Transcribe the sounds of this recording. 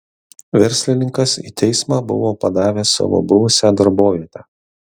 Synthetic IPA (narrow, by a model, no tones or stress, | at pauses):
ʋʲɛɾʲsʲlʲɪnʲɪŋkɐsḭːt̪ʲɛɪsmɑːbʊ̰ʋoːpɐd̪ɑːʋʲeːsɑ̰ʋo̰ːbʊʋʊsʲæd̪ɐɾboːʋʲiɛt̪ʲæː